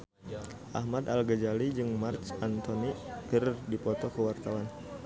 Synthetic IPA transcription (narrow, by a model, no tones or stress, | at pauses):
ʔa̰hmad̪alɡəd͡ʒalid͡ʒɨŋmart͡ʃant̪ɔnipərdipɔt̪ɔkəwart̪awan